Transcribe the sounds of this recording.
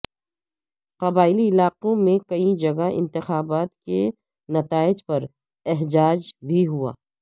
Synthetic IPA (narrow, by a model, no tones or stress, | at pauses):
qɐbaːɪliɪlaːqõmẽkɐid͡ʒɐɡaɪ̰̃nt̪ɪxaːbaːt̪ke | nɐt̪aːɪd͡ʒpɐɾ | ɛɦd͡ʒaːd͡ʒbʱiɦua̰ː